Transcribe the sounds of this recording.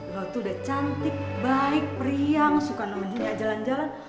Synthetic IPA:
kalot̪uːdaht͡ʃant̪ɪk̚baɪk̚pəɾiaŋsukanamand͡ʒiniad͡ʒaland͡ʒalan

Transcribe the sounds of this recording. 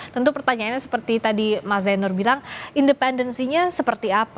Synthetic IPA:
t̪ənt̪upərt̪aɲaanɲasə̥pərt̪it̪adimazanɔrbilaŋindəpɛndənsiɲasəpərt̪iapa

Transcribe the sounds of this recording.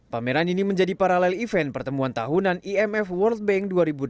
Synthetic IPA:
pamɛɾaniniməɲd͡ʒadipaɾalɛlifɛnpərt̪əmuant̪aɦunaniɛmɛfwərlt̪̚bɛŋduaɾibud

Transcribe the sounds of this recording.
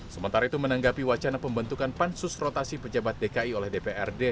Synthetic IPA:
səmənt̪aɾait̪umənaŋɡapiwat͡ʃanapəmbənt̪ukanpansusrot̪asipəd͡ʒabat̪̚dekaiolɛhdepeɛrde

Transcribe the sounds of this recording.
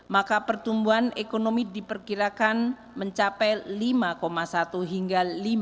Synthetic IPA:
makapərt̪umbuɦanekonomidipərkiɾakan | məɲt͡ʃapɛlimakomasat̪uɦiŋɡalim

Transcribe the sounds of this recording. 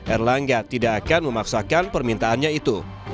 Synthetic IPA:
ʔɛrlaŋɡat̪idaʔːkanməmaksakanpərmint̪aːnɲait̪u

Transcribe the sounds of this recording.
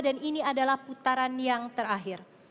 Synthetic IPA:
daniniadalahput̪aɾanjaŋt̪əɾaɦɪr

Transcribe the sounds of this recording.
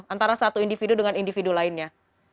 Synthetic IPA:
ant̪aɾasat̪uindifidudəŋanindifidulaɪnɲa

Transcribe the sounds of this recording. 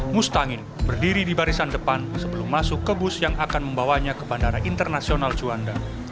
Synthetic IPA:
must̪aŋɪn | bərdiɾidibaɾisandəpansəbəlʊmːasʊkːəbʊsjaŋʔakanməmbawaɲakəbandaɾaʔint̪ərnasionald͡ʒuanda

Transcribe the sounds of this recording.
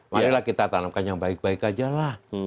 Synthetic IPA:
manilahkit̪at̪anamkanjaŋbaɪk̚baɪkad͡ʒalah

